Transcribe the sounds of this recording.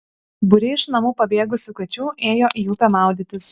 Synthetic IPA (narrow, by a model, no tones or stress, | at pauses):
bʊɾʲɪɪʃnɐmuːpɐbʲeːɡʊsʲʊkɐt͡ʃʲuːʔeːjoːʔijuːpʲɛmɑˑʊd̪ʲɪt̪ʲʊs